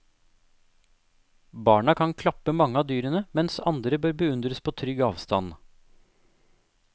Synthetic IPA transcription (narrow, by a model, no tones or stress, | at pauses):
bɑːɳɑkʰɑŋkʰlɑpəmɑŋːəɑːd̪yːɾənəmɛnsɑ̰nd̪ɾəbøːɾbəʉnd̪ɾəspʰoːt̪ʰɾʏɡɑːʋst̪ɑn